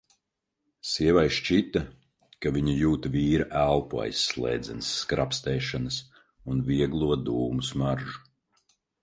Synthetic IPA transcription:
siɛvajʃt͡ʃit̪ɐ | kavʲiɲijuːt̪viːɾaʔælˠpua̰jsːlˠɛ̰ːd̪zɛnsːkɾapst̪ɛːʃanɨs | unviɛɡlˠuɔd̪uːmusmaɾʒu

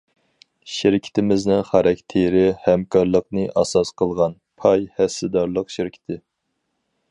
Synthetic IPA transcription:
ʃɪɾɪkʲʰi̥t̪ʰɪmɪznɪŋχɑɾɑkʲt̪ʰeɾɪhɛmkʰɑɾlˠəqnɨʔɑsɑsqʰəlˠʁɑn | pʰɑjhɛsːɪd̪ɑɾlˠəqʃɪɾɪkʲʰi̥t̪ʰɪ

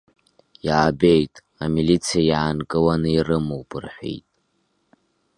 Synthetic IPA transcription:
jaːbe̞jtʼ | amilit͡sʰijajaːnkʼɨwanɨirɨmowpʼɨrħʷḛjtʼ

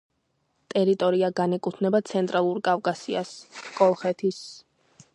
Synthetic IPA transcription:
t̪ʼɛɾit̪ʼɔɾiaɡanɛkʼut̪ʰnɛbat̪sʰɛnt̪ʼɾalˠuɾkʼavkʼasiaskʼɔlˠχɛt̪ʰis

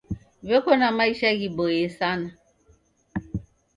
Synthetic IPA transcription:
βekonamaiʃɛɣibojesana

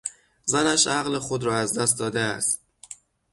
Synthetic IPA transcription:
zænæʃæɣlexod̪ɾɒːæzd̪æst̪d̪ɒːd̪eæ̰st̪

